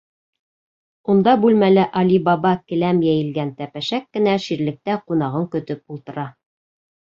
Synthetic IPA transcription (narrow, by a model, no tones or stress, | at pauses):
und̪ɑbʉlmælɘʔɑlibɑβɑkɘ̆læmjæjɘ̆lɡænt̪æpæʃækːɘ̆næʃiɾlɘ̆k̚t̪æqun̪ɑʁɤŋkɵ̆t̪ɵp̚ulˠt̪ɤ̆ɾɑ